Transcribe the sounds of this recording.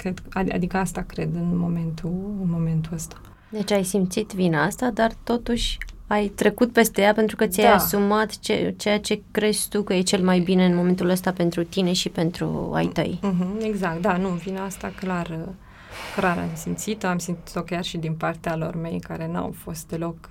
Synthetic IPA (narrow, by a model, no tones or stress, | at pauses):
kɾed̪aa̰d̪ikəast̪akɾe̞d̪ɨnmo̞me̞nt̪ʰuɨnmo̞me̞nt̪uəst̪ḁ | d̪e̞t͡ʃʲajsimt̪sit̪vinaast̪ad̪art̪o̞t̪uʃʲajt̪ɾe̞kut̪̚pe̞st̪e̞jape̞nt̪ɾukət̪sijajjasumat̪t͡ʃe̞̰t͡ʃe̞jat͡ʃe̞kɾe̞ʃt̪ukəje̞t͡ʃe̞lmajbine̞ɨnmo̞me̞nt̪uləst̪ape̞nt̪ɾut̪ine̞ʃipe̞nt̪ɾṵa̰jt̪ə̰j̩ɦ̩e̞ɡzakt̪̚d̪anuvinaast̪aklarə | klaɾa̰msimt̪sit̪o̞amsimt̪i̥t̪okʲjarʃid̪inpart̪ealo̞̰rme̞jka̰ɾe̞na̰wfo̞st̪̚d̪e̞lo̞k